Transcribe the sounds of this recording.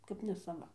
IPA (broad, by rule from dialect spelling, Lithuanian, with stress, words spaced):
kɐp nʲɛsɐˈʋɐ